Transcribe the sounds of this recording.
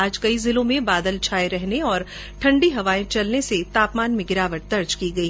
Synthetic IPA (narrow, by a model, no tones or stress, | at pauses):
aːd͡ʒkɐizɪlõmẽbaːd̪əlt͡ʃʰaːeɾɛɦneɔːɾ | ʈʰɐ̃ɳɖiɦɐʋaːẽt͡ʃɐlneset̪aːpmaːnmẽɡɪɾaːʋəʈ̚d̪ɐɾd͡ʒkiɡɐiː